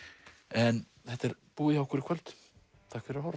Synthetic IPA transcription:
ɛn | θɛht̪ɛɾpuːɪawkʰʏɾɪkʰvœlt̪ | t̪ʰaːkfɪɾɾhɔɾ

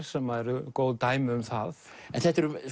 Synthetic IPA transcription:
ɾ̥sɛmaɾʏkoːwlt̪aːjmɪʏmθaðɛnθɛht̪ɛɾʏm

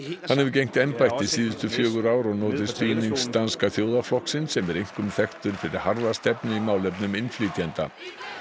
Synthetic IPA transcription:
θhanːɛvʏcejŋ̥m̥t̪ɛnpajht̪ɪsiːðʏst̪ʏfjœːɣʏɾaːwɾɔɣnoːt̪ɪ̥st̪yːniŋkst̪anskaθjoːwðaflɔhksɪnsɛmɛɾejŋ̥kʏmθɛxt̪ʏɾ̥fɪɾɪɾ̥haɾðast̪ɛpnʏimaːwlɛpnʏmɪnfliːt̪jɛnt̪a̰

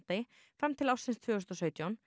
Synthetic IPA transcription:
t̪ɪ | fɾɛmt̪ʰɪlawsɪnst̪ʰvɛːst̪ɔsœʏt̪jɔn

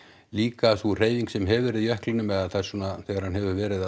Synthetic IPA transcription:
liːkaθur̥eːjviŋksɛmɦɛvɛːɾɪðjœhklɪnʏmɛðaθaj̥suːnaθɛɣaɾ̥hanhɛvʏɾvɛːɾɪða

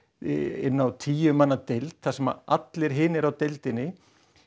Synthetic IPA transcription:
ɪnːawt̪ʰiːjʏmanːat̪ejlt̪θasɛma̰at̪lɪɾɦɪːnɪɾawt̪ejlt̪ɪnːɪ

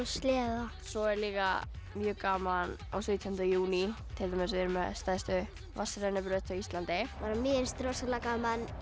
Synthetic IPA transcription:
st̪lɛːða | sɔɛɾliːka̰ | mjʏːkaːman | a̰wsvʏt̪ʰjɔnt̪juːni | t̪ʰɪlt̪ʰamɛsvɪɾʏmɛ̰ðst̪aːjst̪ʏ | vasaɾɛnapɾœt̪awist̪lant̪ɪaɾaminst̪ɾosalakamanː

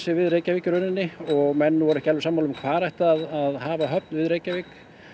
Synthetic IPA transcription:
sɪvɪðɾeːjcaviːcʏɾœnɪnːɪɔɣmɛnːʏvɔɾʏɛhcalvɪsaːmːawlʏmkʰv̥aːɾɛjht̪aːðaðhaːvaɦœp̚nvɪðɾeːjcaviːk

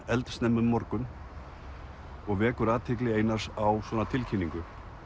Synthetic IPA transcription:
ɛlt̪st̪nɛmːʏmːɔɾkʏn | ɔɣvɛːkʏɾaːt̪ʰɪklɪeːjnḁsawswɔːnat̪ʰɪlcʰinːiŋkʏ

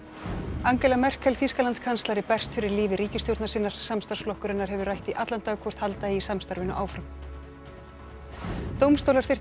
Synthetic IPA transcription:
aŋcɛlamɛr̥kʰɛlθiskalant̪skʰanst̪laɾɪpɛr̥st̪fɪɾɪɾliːvɪɾiːcɪst̪jowɾt̪nasiːnːaɾ̥samst̪aɾ̥sflɔhkʏɾɪnːaɾhɦɛvʏrajht̪iʔat̪lant̪akʰvɔr̥t̪halt̪aiisamst̪aɾvɪnʏʔaːwfɾam | t̪owmst̪owlaɾθɪr̥

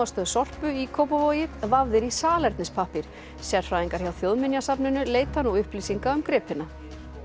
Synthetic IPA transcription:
ast̪œɣsɔr̥pʏikʰoːwpavoːjɪðvavðɪɾisaːlɛɾt̪nɪspʰahpɪɾ̥ | sɛɾ̥fɾaːðiŋkaɾ̥çawθjowðmɪnjasapnʏnʏleːjt̪hanːuʏhplisiŋkaʏmkɾɪːpɪna

